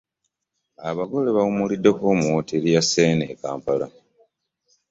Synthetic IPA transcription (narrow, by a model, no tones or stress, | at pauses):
aβaɡo̞leβaumulidːekomwotelijaseːneːka̰ːmpala̰